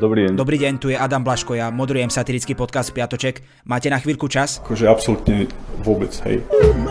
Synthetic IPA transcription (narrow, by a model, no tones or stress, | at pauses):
d̪ɔbɾiɛd̪ɔbɾiːɟɛɲt̪ujɛʔad̪amblaʃkɔjamɔd̪ɾujɛmsat̪iɾit͡skiːpɔt̪̚kast̪plɪat̪ɔt͡ʃɛk | maːcɛnaxʋiːlʲkut͡ʃasakɔʒɛapsɔlut̪ɲɛʋʊɔbɛt͡sɦɛ̰j